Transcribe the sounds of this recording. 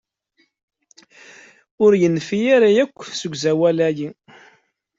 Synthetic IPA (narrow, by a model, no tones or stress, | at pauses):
ʊɾjənːfijaɾajækʷːsəɡʷzæwælæji